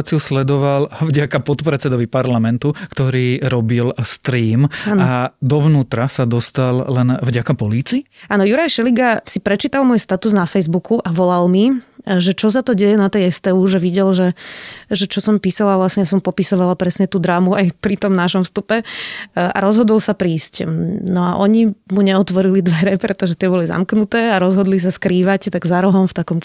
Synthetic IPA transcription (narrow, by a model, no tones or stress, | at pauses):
t͡siuslɛd̪ɔʋalvɟakapɔt̪pɾɛt͡sɛd̪ɔʋipaɾlamɛnt̪ukt̪ɔɾiːɾɔbilst̪ɾiːmanad̪ɔʋnuːt̪ɾasad̪ɔst̪allɛnvɟakapɔliːt͡siːaːnɔjuɾajʃɛliɡasipɾɛt͡ʃiːt̪almʊɔjst̪at̪uznafɛjzbukuʔaʋɔlalmiʒɛt͡ʃɔs̬at̪ɔɟɛjɛnat̪ɛjɛst̪ɛuʒɛʋiɟɛlʒɛʒɛt͡ʃɔsɔmpisalaʋlasɲɛjas̬ɔmpɔpisɔʋalapɾɛsɲɛt̪uːd̪ɾaːmuajpɾit̪ɔmnaʃɔmfst̪upɛ | ʔa̰ɾɔzɦɔd̪ɔlsapɾiːscnɔaʔɔɲimuɲɛɔt̪ʋɔɾilid̪ʋɛɾɛpɾɛt̪ɔʒɛt̪ɪɛbɔliza̰mknut̪ɛːaɾɔzɦɔd̪lis̬askɾiːʋact̪aɡzaɾɔɦɔmft̪akɔm